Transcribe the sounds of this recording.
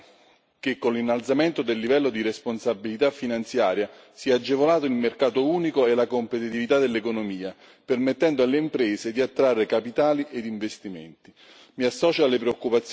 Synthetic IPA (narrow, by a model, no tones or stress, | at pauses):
k̟ekːonlinːalt̪sament̪od̪elːivɛlːod̪iɾesponsabːilit̪afːinant̪sjaːɾja | siɛad͡ʒːevolaːt̪oilmerkaːt̪ouːnikoelakompet̪it̪ivit̪ad̪elːekonomiːa | permet̪ːɛnd̪oalːeimpɾɛːsed̪iat̪ːɾarːekapit̪aːliʔed̪iɱvest̪imḛnt̪i | miasːɔːt͡ʃealːepɾeokːupat̪sː